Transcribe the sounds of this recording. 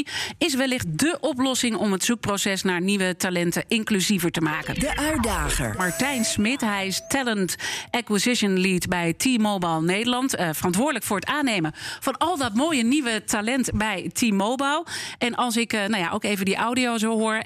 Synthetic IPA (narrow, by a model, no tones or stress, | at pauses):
ɪs̬ʋɛlɪχt̚dəʔɔplɔsɪŋɔmətsuk̚prowsɛsnaːɹniʋətalɛntəʔɪŋklyzivəɹtəmaːkəndəʔœɥ̚daːχə̰ɹmɑɹtɛjnsmɪtɦɛjɪstɛləntɛkwizɪʃənliːtbɛjtʰimowbalˠnejdəɹlɑntfərɑntʋʊːɹdələkfʊːɹətaːnejmənfɑnɑlˠdɑtmoːjəniʋətalɛntbɛjtʰimowbɛlˠɛnʔɑlˠs̬ɪknawja̰ʔowkejvəndiʔawdiozowɦʊːɹ